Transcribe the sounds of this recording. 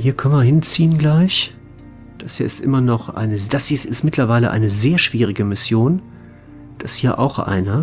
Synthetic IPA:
hiːɐkʰœnvɐɦɪnt͡siːənɡlaɪç | d̥ashiːɐɪstʔɪ̰mɐnɔχʔa̰ɪnəd̥asisɪstmɪtʰlɐvaɪləʔa̰ɪnəzeːɐʃv̥iːʁɪɡəmɪsjoːn | d̥ashiːɐʔa̰ʊxʔa̰ɪnɐ

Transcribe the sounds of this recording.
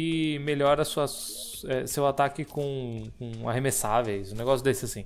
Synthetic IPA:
ɪmeʎɔɾɐsuɐ | ɛsewat̪akɪkõkõa̰ɦemesavejzʊneɡɔsjʊd̪esɪasĩ

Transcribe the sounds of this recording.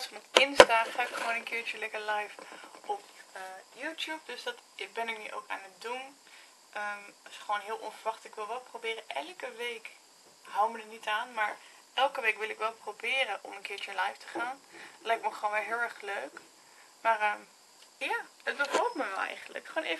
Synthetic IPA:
tfɑnɔpɪnstaχaːɪkχəʋoːnənkɪːɹt͡ʃəlɛkəlajfʔɔpəjuːtjup̚dɵsdɑtɪbɛnɪknyʔo̰wka̰ːnət̚dun | ʔəmsχəʋoːnɦɪːlˠʔɔ̰nfəɹʋɑχtɪkʋɪlˠʋɛlˠprowbɪːrəʔɛlˠkəʋejk | ɦawmədənitaːnmaːɹ | ɛlˠkəʋejkʋɪlˠɪkʋɛlˠprowbɪːɾənʔɔ̰mənkɪːɹt͡ʃəlajftə̥χaːntlɛjk̚tməχoːnʋɛlˠɦɪːlˠɛɹχløɥk | maːrəm | jaːət̚bəvɔlt̚məʋɛlˠɛ̰jχəndlə̰kχəoːnej

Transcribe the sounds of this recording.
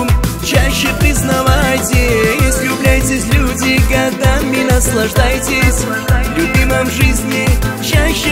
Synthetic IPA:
t͡ɕaɕːɪpɾʲɪznɐvajtʲɪjesʲlʲʊblʲajtʲɪsʲlʲudʲɪɡɐɡd̪amʲɪnɐslˠɐʐd̪ajtʲɪsʲ | vlʲʊbʲiməmʐɨzʲnʲɪt͡ɕaɕːɪ

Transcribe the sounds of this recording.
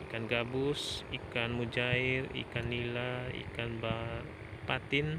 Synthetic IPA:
ikanɡabusikanmud͡ʒaɪrḭkanːilaḭkanba | pat̪ɪn

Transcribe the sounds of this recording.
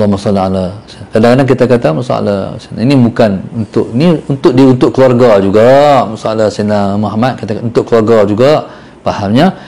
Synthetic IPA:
lːɔhmasɑlːialaskadãŋanank̬it̪akat̪amasa̰a̰la̰sina̰inibukanunt̪ʊʔniunt̪ʊʔdiunt̪ʊʔkəluarɡad͡ʒuɡamasaalasinamuɦamat̪̚kit̪akunt̪ʊʔkəluarɡad͡ʒuɡaʔ | pahamɲa

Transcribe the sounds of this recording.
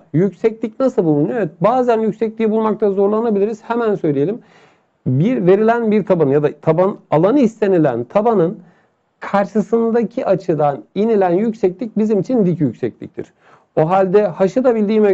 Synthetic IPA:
jycsɛclʲicnasɯlˠbulˠunoevɛt̪̚baːzænjycʲsɛclʲiibulˠmak̚t̪ʰazo̞ɾlˠanabilʲiɾiz̥hɛmænsø̞jlʲije̞lʲim | biɾve̞ɾilʲænbiɾt̪ʰabanɯjad̪at̪ʰabanalˠanɯist̪e̞nilʲæ̰nt̪ʰabanɯn | kʰaɾʃɯsɯnd̪acʰiʔat͡ʃʰɯd̪aninilʲænjycsɛclʲic̚bizimit͡ʃʰind̪icjycsɛclʲḭc̚t̪ʰḭɾ̥ | oɦalʲd̪ɛhaʃɯd̪abilʲd̪iːmɛ

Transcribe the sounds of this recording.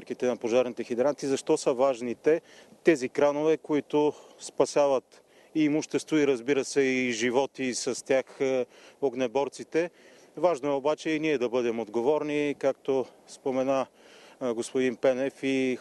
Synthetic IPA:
ɾkit̪ɛnɐpoʒaɾnit̪ɛxid̪ɛɾant̪izɐʃt̪ɔsɐvaʒnit̪ɛt̪ɛzikɾanovɛkoit̪ʊspɐsʲavɐt̪ | imʊʃt̪ɛst̪voiɾɐzbiɾɐsɛiʒivɔt̪isɐst̪ʲjax | oɡnɛbɔɾt̪sit̪ɛ | vaʒnoɛobat͡ʃɛiniɛd̪ɐbɤd̪ɛmod̪ɡovɔɾnikak̚t̪ospomɛna | ɡospod̪inpɛnɛfi

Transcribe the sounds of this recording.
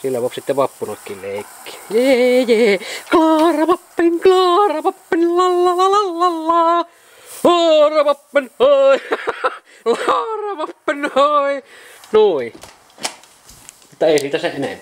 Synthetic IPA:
silːæʋoˑpsit̪ːeʋɑpːunokːilleˑikːi̥jejeːklɑːrɑʋɑpːiŋklɑːrɑʋɑpːenlɑlːɑlɑlɑlːɑlːɑ | hɑːrɑʋɑpːenoi | lɑːrɑʋɑpːenoi | nui | mut̪ːɑeˑisiːt̪æseʔenḛmpæ

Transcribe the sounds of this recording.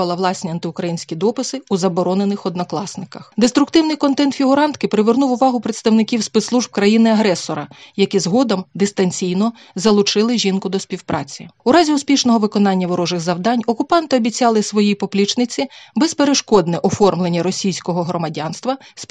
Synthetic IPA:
ɐlˠɐʋlˠɑsʲnʲiɐnt̪ɪʊkɾɐjinʲsʲkʲid̪ɔpɪsɪuzɐbɔɾɔnenɪxɔd̪nɔklˠɑsnɪkɐxd̪est̪ɾʊkt̪ɪwnɪjkɔnt̪ɛnt̪fʲiɦʊɾɑnt̪kɪpɾɪʋernuwʊʋɑɦʊpɾet̪st̪ɐwnɪkʲiwspɛt̪slˠuʒb̚kɾɐjinɪɐɦɾɛsɔɾɐjɐkizɦɔd̪ɔmd̪ɪst̪ɐnʲt͡sʲijnɔ | zɐlˠʊt͡ʃɪlˠɪʒʲinkʊd̪ɔsʲpʲiwpɾʔɑ̰t͡sʲiuɾɑzʲiʊspʲiʃnɔɦɔʋɪkɔnɑnʲːɐʋɔɾɔʒɪɣzɐwd̪ɑnʲɔkʊpɑnt̪ɪɔbʲit͡sʲɑlˠɪsʋɔjijpɔplʲit͡ʃnɪt͡sʲibɛspeɾeʃkɔd̪nɪʔɔfɔrmlˠenʲːɐɾɔsʲijsʲkɔɦɔɦɾɔmɐdʲɑnst̪ʋɐsp

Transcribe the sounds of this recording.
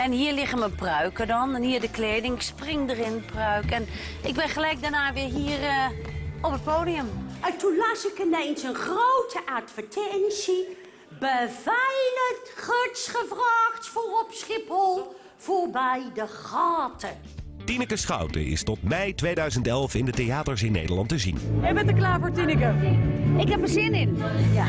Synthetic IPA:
ɛnɦiːɹlɪχəməprœɥkədɔnɛnhiːɹdəkleːdɪŋsprɪŋdərɪnprœɥkɛn | ʔɪɡ̚bɪnχəlɛjk̚dəɹnaːʋɪːɹɦiːər | ɔpət̚poːdiəmətunlasɪkɪnejnsənχrowtʰəʔatfətʰɛnsi | bəvɛjlətχøtsχəvraːxtforɔpsχɪphɔlˠ | v̥oɹbɛjdəχɑːtʰə | tinəkəsχɑ̰wtə̰ɪ̰stɔtmɛjtʋejdœɥzəntɛlˠfɪndətejaːtəɹs̬ɪnːḛjdəlɑntəzḭnɛbɛntəklaːɹvoːɹtinəkəɪkɦɛpəzɪnɪn

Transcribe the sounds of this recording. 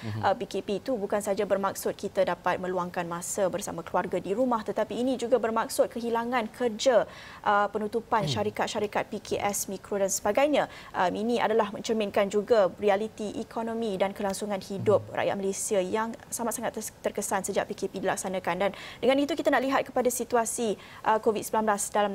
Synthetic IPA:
ʔəpikepit̪ubukansad͡ʒabərmak̚sʊt̪̚kʰit̪adapat̪̚mə̃luaŋkanmãsabərsa̰mãkluarɡadiɾumaht̪ət̪apiːnid͡ʒuɡabərmak̚sʊt̪̚kəɦilaŋãnkʰərd͡ʒa | ʔəpənut̪upanʃaɾikat̪̚ʃaɾikat̪̚pikʰeʔɛsmĩkɾodansəbaɡajɲãʔəminĩʔa̰dalahmə̃ɲt͡ʃəminkand͡ʒuɡarialit̪iʔikʰonõmĩdankəlaŋsuŋãnhidʊp̚ra̰ʔja̰t̪̚məlesiajaŋsamat̪saŋat̪t̪ərkəsansəd͡ʒa̰ʔpikepidila̰k̚sanakandandəŋanit̪ukit̪anaʔliɦat̪̚kə̥padasit̪uasi | ʔəkovit̪səmilanblasdalam

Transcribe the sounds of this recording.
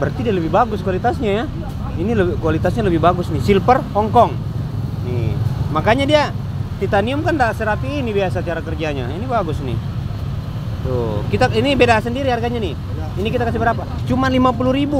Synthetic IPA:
bərt̪idialəbɪhbaɡʊskualit̪asɲaja | iniləbkualit̪asɲaləbɪihbaɡʊsnisilpərhɔŋkɔŋ | nḭmakaɲadia | t̪it̪aniʊmkandasɛɾapiːnibiasat͡ʃt͡ʃaɾakərd͡ʒaɲa̰inibaɡʊsnḭ | t̪ṵkit̪ainibedasəndiɾiharɡaɲani | inikit̪akasibəɾapat͡ʃumanlimap̬uluɾibu

